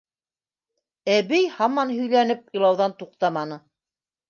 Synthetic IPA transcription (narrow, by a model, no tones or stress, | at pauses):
æβɘjhɑmɑnɦɵ̆jlænɘp̚jɤ̆lˠɑwðɑnt̪uq̚t̪ɑmɑnɤ